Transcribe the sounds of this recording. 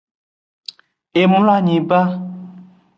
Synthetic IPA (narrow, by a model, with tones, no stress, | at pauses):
ʔe˨mu˦la˥˦˨ɲĩ˨pa˦˨